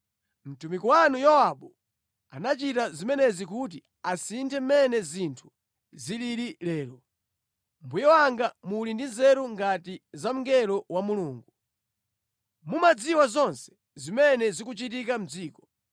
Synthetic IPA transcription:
m̩tumikuwanujɔwaɓɔ | a̰nat͡ʃitazimɛnɛzikut̬i | asintʰɛmmɛnɛzintʰu̥ | ziliɾilɛːlɔ | mbujɔwaŋɡamulindinzɛɾuŋɡatizam̩ŋɡɛlɔwamuluːŋɡu | mumad͡ziwazɔnsɛ̥ | zimɛnɛzikut͡ʃitikam̩d͡ziːkɔ̥

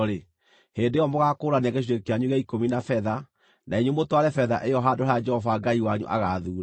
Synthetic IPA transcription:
ɾe | heːndejɔmoɣakoːɾaneaɣeɕ̬iɾekeaɲuɣaikominafɛða | naeɲumotwaɾɛfɛða̰ʔejɔɦadohaad͡ʒɛhɔvaɡaiwaɲṵʔa̰ɣaðuːɾa

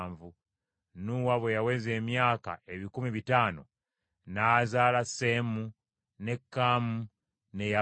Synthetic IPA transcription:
ɱvu | nuːwaβwejawe̞ːze̞ːmjaːka̰eβikumiβitaːno | naːzaːlasemu | ne̞kːaːmu | ne̞ja

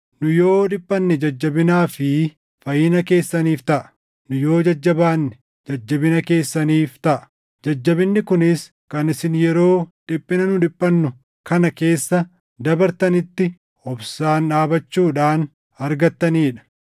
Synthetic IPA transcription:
nʊjo̞ːᶑɪpʼːɐnːɛd͡ʒɐd͡ʒːɐbɪnaːfɪ | fɐjɪnɐke̞ːsːɐniːft̪ɐʔɐ̥ | nʊjo̞ːd͡ʒɐd͡ʒːɐbaːnːɛ̥ | d͡ʒɐd͡ʒːɐbɪnɐke̞ːsːɐniːft̪ɐʔɐ̥ | d͡ʒɐd͡ʒːɐbɪnːɪkʊnɪs | kɐnɪsɪnjɛɾo̞ːᶑɪpʼːɪnɐnʊᶑɪpʼːɐnːʊ | kɐnɐke̞ːsːɐ | d̪ɐbɐɾt̪ɐnɪt̪ːɪ | ɔbsaːnᶑaːbɐt͡ʃːuːᶑaːn | ɐɾɡɐt̪ːɐniːᶑɐ̥

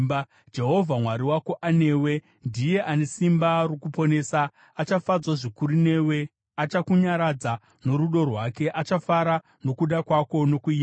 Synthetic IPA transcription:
d͡ʒe̞ɦo̞vʱamwaɾiwako̞ʔane̞ːwe̞ | ndije̞ʔane̞simbarokupo̞ne̞ːsaː | t͡ʃafad͡zwaʐikuɾine̞we̞ | at͡ʃakuɲaɾad͡za | no̞ɾuɗo̞rwaːke̞ʔat͡ʃafaɾa | no̞kuɗakwako̞no̞kuima

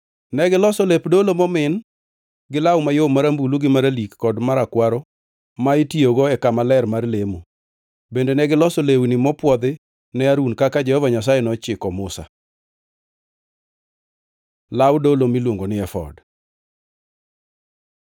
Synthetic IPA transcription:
nɛɡɪlɔsolepdolomɔmɪn | ɡɪlawmajomaɾambuluɡɪmaɾalikːɔdmaɾakwaɾɔ | maɪtioɡɔɛkamalɛrmarlemo | bendenɛɡɪlɔsolewnimɔpwɔd̪ɪ | nɛaɾunkakad͡ʒɛhɔvaɲas̬ajɛnɔt͡ʃɪkɔmʊsa̰ | lawdolomilwoŋɡonɪɛfɔ̰d

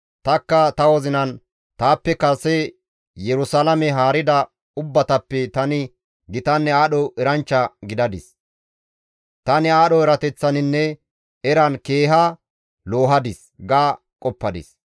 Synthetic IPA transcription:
t̪ɐkːɐt̪ɐwɔzɪnɐn | t̪aːpːɛkɐsɛ | jɛɾʊsalɐmɛɦaːɾɪd̪ɐ | ʊbːɐt̪ɐpːɛt̪ɐnɪ | ɡɪt̪ɐnːɛaːɗɔʔɛɾɐnt͡ʃːɐɡɪd̪ɐd̪ɪs | t̪ɐnɪaːɗɔɛɾɐt̪ɛt͡sːɐnɪnːɛ | ɛɾɐnkeːɦɐ | lo̞ːɦɐd̪ɪs | ɡaː | kʼɔpːɐd̪ɪ̰s

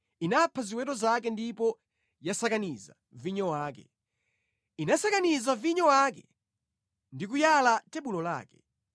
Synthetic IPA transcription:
inapʰaziwɛtɔzak̬ɛndipɔ | jasakaniza̰ | viɲɔwaːkɛ̰ | inasakanizaviɲɔwak̬ɛ̰ | ndik̬ujalatɛɓulɔla̰ːkɛ̥

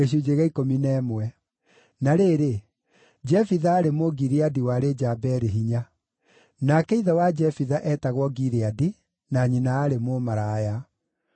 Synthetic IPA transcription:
eɕ̬ud͡ʒeɣɛikominɛmwɛ | naɾeːɾe | d͡ʒɛfiðaːɾemoɡiɾeadiwaɾed͡ʒabɛɾeɦiɲa | nakɛiðɛwad͡ʒɛfiðaʔɛtaɣwɔɡiɾeadi | naːɲinaaɾemomaɾaja

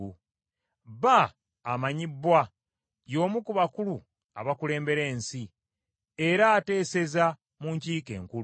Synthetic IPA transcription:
u | βaː | maɲibːwa | jo̞ːmukuβakulu | a̰βakule̞ːmbe̞ɾe̞ːnsi | e̞ɾaːte̞ːse̞za | muɲciːke̞̰ːŋku

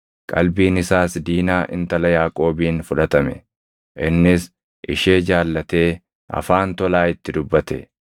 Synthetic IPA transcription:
kʼɐ̰lbiːnɪsaːsd̪iːnaːʔɪ̰nt̪ɐlɐjaːkʼo̞ːbiːnfʊᶑɐt̪ɐmɛ̰ | ʔɪnːɪs | ʔɪʃe̞ːd͡ʒaːlːɐt̪e̞ː | ɐ̰faːnt̪ɔlaːɪt̪ːɪd̪ʊbːɐt̪ɛ̰

